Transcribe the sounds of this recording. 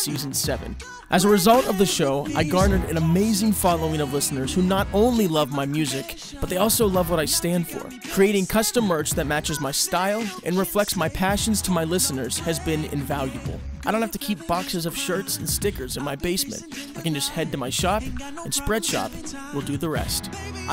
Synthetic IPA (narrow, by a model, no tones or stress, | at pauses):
siz̃n̩sɛvɨ̰̃n | ʔɨzəɹɨzʌlˠtʌvðɨʃoʊʔa̰ɪɡɑɹnəɾɨ̰̃nəmeɪzɪ̃ŋfɑlˠoʊɪ̃ŋʌvlɪsnə˞z̥hunəɾõʊ̃nlilʌvmaɪmjʉzɪk | b̥ʌt̪̚ðeɪɔlˠsoʊlʌvwʌɾaɪstæ̃nd̥fə̰˞ | kʰɹ̥ieɪɾɪ̃ŋkʰʌstə̃mːɜ˞t͡ʃðɨt̚mæt͡ʃɨzmaɪstaɪlˠʔɨ̰̃nɹɨflɛk̚smaɪpʰæʃɨ̃nz̥tʰəmaɪlɪsɨnə˞z̥ɨzbɪ̃nɪ̰̃ɱvælˠjɨbl̩ˠaɪɾõʊ̃nhæftɨkʰip̚b̥ɑksɨzʌv̥ʃɜ˞tsn̩stɪkə˞zɨ̃nmaɪbeɪsmɨ̰̃ntaɪkɨ̃nd͡ʒʌst̚hɛd̚tɨmaɪʃɑp | ɨ̃nspɹɛd̥ʃɑ̰pwɪlˠdɨðəɹɛ̰st